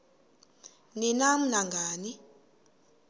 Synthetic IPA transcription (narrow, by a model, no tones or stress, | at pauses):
ninam̩naŋɡʱaːni